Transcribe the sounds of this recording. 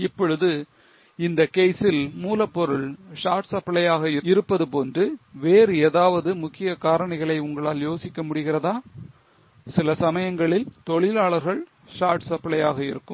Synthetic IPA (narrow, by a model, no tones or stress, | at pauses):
ɪpːɔɻɯðɯ | ɪnd̪ɐkeːsɪlmuːlɐpːɔɾɯɭʂaːɾʈsɐpːɐɭɐjaːɣɐɪɪɾɯpːɐðɯpoːndrɯʋeːɾɯeːðaːʋɐðɯmʊkːɪjɐkaːɾɐɳɐɪɣɐɭɐɪʊŋɡɐɭaːljoːsɪkːɐmʊɽɪɣɪrɐðaː | sɪlɐsɐmɐjɐŋɡɐɭɪlt̪ɔɭɪlaːɭɐɾɣɐɭ | ʂaːɾʈsɐpːɐlɐjaːɣɐɪɾɯkːɯmm